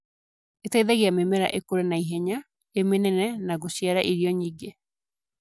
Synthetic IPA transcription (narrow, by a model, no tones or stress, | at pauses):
etaiðaɣiamemɛɾa̰ʔekoɾenaiɦɛɲa | emenɛnɛnaɣoɕjaɾaʔiɾiɔɲiːɡe